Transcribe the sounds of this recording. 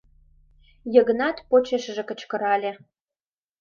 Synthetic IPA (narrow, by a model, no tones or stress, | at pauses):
jə̆ɣə̆nɑt̪pot͡ɕeʃə̆ʒĕkə̆t͡ɕkə̆ɾɑlʲĕ